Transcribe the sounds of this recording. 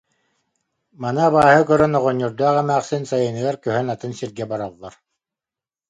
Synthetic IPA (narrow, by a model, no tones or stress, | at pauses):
manɯaβaːɦɯkœɾœnɔʁɔɲːuɾd̪aːχɛmæːχsɯnsajɯnɯɡaɾkœɦœnat̪ɯnsiɾɡɛbaɾalˠːaɾ